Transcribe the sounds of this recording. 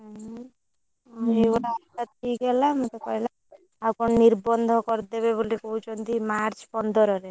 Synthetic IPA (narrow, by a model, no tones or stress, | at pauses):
ebɔʈaaʈat̪ʰiɡɛlamat̪ekɔjla | akonniɾbɔnd̪ʱokɔɾd̪eβeβolekowt͡ɕond̪imaɾt͡ɕpɔnd̪ɔɾɔɾe